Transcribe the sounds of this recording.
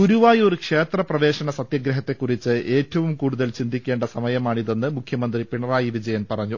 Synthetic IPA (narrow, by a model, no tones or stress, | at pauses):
uɾuʋaːjo̞ɾukʂe̞ːt̪rɐprɐʋeːɕɐɳɐsɐt̪jɐɡɾɐɦɐt̪ːe̞kːurit͡ɕːɨʔe̞ːtːɐʋumkuːɽuðɐlt͡ɕind̪ikʲːe̞ːɳɖɐsɐmɐjɐmaːɳiðe̞nːɨmukʰjɐmɐnd̪ripiɳɐraːjiʋid͡ʑɐjɐnpɐrɐɲːu